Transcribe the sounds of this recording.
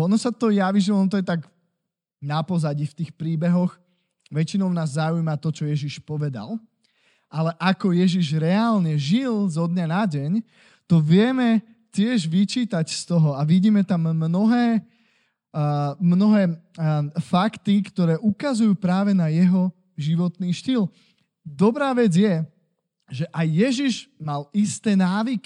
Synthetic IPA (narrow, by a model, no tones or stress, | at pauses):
ɔnɔsat̪ɔjaʋiʒilɔnɔt̪ɔjɛt̪aɡ | napɔzaɟift̪iːxpɾiːbɛɦɔx | ʋɛt͡ʃinɔʊnaːzːaujmat̪ɔt͡ʃɔjɛʒiʃpɔʋɛd̪a̰l | alɛʔakɔjɛʒiʒɾɛalɲɛʒilzɔd̪ɲanaɟɛɲ | t̪ɔʋɪɛmɛ | cɪɛʒʋit͡ʃiːt̪acst̪ɔɦɔaʋiɟiːmɛt̪amːnɔɦɛː | mnɔɦɛː | fakt̪ikt̪ɔɾɛːʔukazujuːpɾaːʋɛnajɛɦɔ | ʒiʋɔt̪niːʃt̪il | d̪ɔbɾaːʋɛd͡zjɛ | ʒɛʔajːɛʒiʒmalist̪ɛːnaːʋiki̥